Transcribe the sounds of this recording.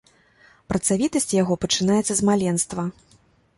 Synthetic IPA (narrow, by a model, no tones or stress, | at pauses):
pɾɐt̪savʲit̪ɐsʲt͡sʲjaɣɔpɐt͡ʂɨnajɛt̪sːɐzmalʲɛnst̪vɐ